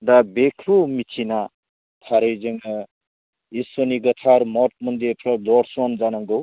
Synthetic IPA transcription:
d̪abekʰɾumit͡ʃʰina | tʰaɾejzeŋa | isɔniɡɐt̪ʰaɾmɔt̚mund̪epʰɾɔdɔɾsɔnzanaŋɡɯw

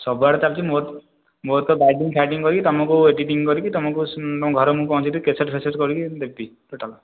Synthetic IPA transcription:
sɔbaɽɔt͡ʃab̚t͡ʃʰimo | mot̪ɔbajʈiŋkʰaʈiŋkɔɾikit̪ɔmɔ̃kueɖiʈiŋkɔɾikit̪ɔmɔ̃kut̪ɔmɔ̃ɡʱɔɾɔmũpɔɦũt͡ʃʰɔ̃nt̪ikeseʈpʰeseʈkɔɾikid̪ebiʈ̪oʈʰalɔ

